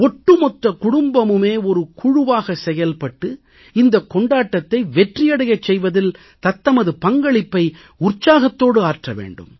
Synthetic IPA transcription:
ɔʈːɯmɔʈrɐkʊɽʊmbɐmɯmeːɔɾɯkʰʊɻʊʋaːɣɐsɛjɐlpɐʈːɯ | ɪnd̪ɐkːɔɳɖaːʈːɐt̪ːɐɪʋɛʈrɪjɐɽɐjɐt͡ʃːɛjʋɐðɪl | t̪ɐt̪ːɐmɐðɯpɐŋɡɐɭɪpːɐɪ | ʊrt͡ʃːaːɣɐt̪ːoːɽɯaːɾʈrɐʋḛːɳɖɯ̰m

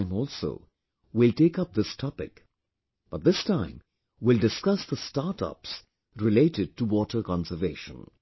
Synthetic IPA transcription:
ɪ̃mɔlˠso̰ʊ | wɪlˠteɪkʌp̚ðɪstʰɔpɪ̰k | b̥ʌt̪̚ðɪstʰãɪ̃m | wɪlˠdɨskʌsðəstaɾtʌ̰ps | ɾɪleɪtɨd̚ʈəwɔʈə˞kɑ̃nsə˞veɪʃə̰̃n

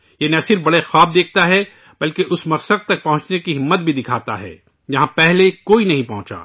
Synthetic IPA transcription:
jenɐsɪɾfbɐɽexaːb̚d̪eːk̚ʰt̪aɦɛ | bɐlkeʔʊsmɐɾsəd̪̚t̪ɐk̚pɐɦʊ̃t͡ʃnekiɦɪmːət̪̚bʱid̪ɪkʰaːt̪a̰ɦɛ̰ː | jɐɦãpɛɦlekoːinɐɦĩpɐɦʊ̃t͡ʃa̰ː

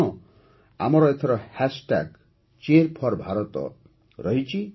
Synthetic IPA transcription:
ɔ | a̰mɔɾɔet̪ʰɔɾɔhasʈa̰ɡ | t͡ʃeɾpʰɔɾbʱaɾɔt̪ɔ̰ | ɾʌɦit͡ʃʰi

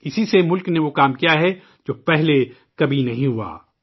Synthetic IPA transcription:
ɪsisemʊlkneʋokaːmkijaɦɛ | d͡ʒoːpɛɦle | kɐbʱinɐɦĩɦua̰ː

